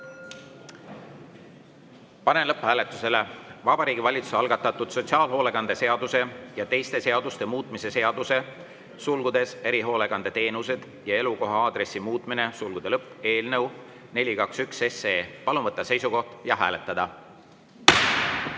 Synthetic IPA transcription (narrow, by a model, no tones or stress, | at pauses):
pɑne̞nlɤpːhæːlet̪ːˑu̥se̞le̞vɑbɑɾiːɡivɑlʲit̪su̥seɑlɡ̥ɑt̪ːˑɑt̪ːˑud̪̥so̞t̪siɑːlɦo̞ːle̞kɑnd̪e̞se̞ɑd̪̥use̞jɑt̪e̞jst̪e̞se̞ɑd̪̥ust̪e̞muːt̪ˑmise̞se̞ɑd̪̥use̞ | sulɡ̥ud̪̥e̞se̞ɾiɦo̞ːle̞kɑnd̪et̪e̞ːnuse̞d̪̥ | jɑe̞luko̞ɦɑɑːd̪̥ɾe̞sːimuːt̪ˑmine̞sulɡ̥ud̪̥e̞lɤpːˑe̞ːlnew | ne̞lʲikɑksykse̞seːpɑlumvɤt̪ˑːɑse̞jsuko̞ht̪jɑɦæːle̞t̪ːˑɑd̪̥ɑ